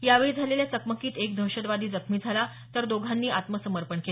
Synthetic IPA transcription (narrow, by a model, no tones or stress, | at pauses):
jaʋeɭiːd͡zʱaleljat͡səkməkiːt̪ekd̪ʱəwɕəd̪ʋad̪ʱiːd͡zəkʰmiːd͡zʱala | t̪əɾd̪oɡʱanːiːʔat̪məsəməɾpəɳkel